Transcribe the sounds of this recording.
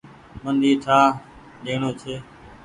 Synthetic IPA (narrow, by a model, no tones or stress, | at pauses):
mənd̪ʱiːt̪ʰaː | ɗeːɳõːt͡ʃʰeː